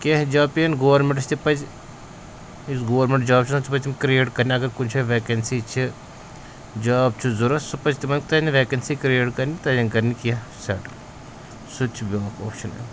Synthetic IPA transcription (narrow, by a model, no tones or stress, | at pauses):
kʲeɦd͡ʒaːpiɐnɡoːɾmeɳʈt͡ʃʰt̪ipɐd͡ʒ | isɡoːɾmeɳʈd͡ʒaːbt͡ʃʰsɐt̪ʰipɐt͡ʃʲt̪imkɾieːʈkɐɾniɐɡɐɾkunt͡ʃʰɐʋeːkɐnsiːt͡ʃʰi | d͡ʒaːb̚t͡ʃʰuzuɾɐsupɐt͡ʃʰt̪imɐnʲkt̪ɐniʋeːkɐnsikɾieːʈkɐɾnit̪ɐjɐnkɐɾnikɐsɐʈ | sut͡ʃʰbʲoːkoːpʃɐnḛ